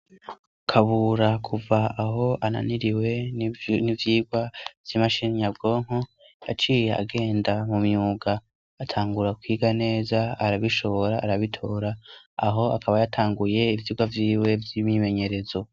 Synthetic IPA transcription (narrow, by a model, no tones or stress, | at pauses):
kʰaβuɾakʰuvaaɦo̞ʔana̰niɾiwe̞nivjiːɡwavjimaʃinɲab̚ɡo̞ːŋ̥ho | ja̰t͡ʃiːjea̰ɡe̞ːndamumɲuːɡaː | tʰaːŋɡuɾakwiːɡane̞ːzaaɾaβiʃo̞βoɾaʔaɾaβitʰo̞ːɾa̰ː | ɦo̞akaβajatʰaːŋɡuje̞ivjiːɡwavjiːwe̞vjimɲime̞ɲe̞ɾe̞zo̞